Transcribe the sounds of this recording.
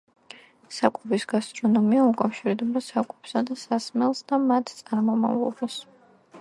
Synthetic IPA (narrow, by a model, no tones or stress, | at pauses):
sakʼɛbisɡ̥ast̪ʼɾɔnɔmiaukʼafʃiɾd̪ɛbasakʼɛpsad̪asasmɛlˠsd̪amat̪ʰt̪sʼaɾmɔma̰vlˠɔ̰bas